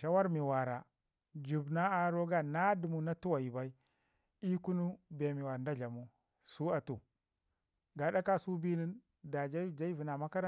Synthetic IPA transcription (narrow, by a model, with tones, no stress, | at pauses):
ʃa˦wa˦ɾmi˨wa˨ɾa˨ | d͡ʒu˨bna˦a˨ɾo˦ɡa˦na˦du˨mu˨na˦tu˦wa˨ji˨ba˦i˦ | i˦ku˦nu˦be˨mi˨wa˨ɾnda˦d͡ʒa˨mu˦ | su˦a˨tu˨ | ɡa˨ɗa˦ka˦su˦bi˦ni˦n | da˨d͡ʒa˦˨d͡ʒa˦i˦vi˨na˨ma˦ka˦ɾa˦